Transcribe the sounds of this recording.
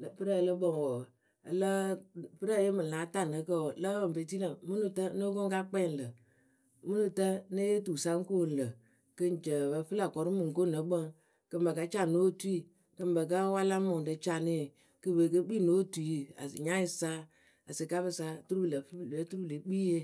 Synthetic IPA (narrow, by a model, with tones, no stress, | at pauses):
pɨ˦ɾa˦˨lə˦ɓə˦˨ŋ˨wɔ˨ | ə˨lə˦pɨ˦ɾa˦˨jə˦mɨ˨la˨˦ta˨nə˨kə˦wlə˦bə˨m˨be˨ti˦lə˨mɨ˦nu˨tə˦no˦ko˦ŋka˦k͡pɛ˦˨n˨lə˨ | mɨ˦nu˨tə˦nə˦je˦tu˨sa˦ŋ˦ko˦˨n̩˨lə˨ | kə˦n˨t͡ʃə˨bə˧fɨ˦la˨kɔ˨ɾu˦mɨ˨ŋ˨ko˦˨nə˨ɓə˦ŋ | kə˨mbə˨ka˦t͡ʃa˨no˦˨tu˦i˦ | kə˧˨mbə˨ka˦wa˦la˦mʊ˨də˨˧t͡ʃa˦˨ni˦˨ | kɨ˧be˨kə˦k͡pi˦˨no˨˦tu˨i˦˨a̰˨ɲa˦i˧sa˦ | a˨sə˨ka˦bɨ˦sa˦tu˦ɾu˦bɨ˨lə˨fe˦tu˦ɾu˦ble˨k͡piː˦je˦